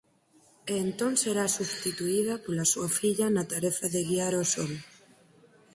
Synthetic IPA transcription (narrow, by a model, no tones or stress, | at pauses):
eːnt̪oŋseɾasuβst̪it̪uið̞ɐpolasuɐfiʎɐnat̪aɾeθaðeɣiaɾosol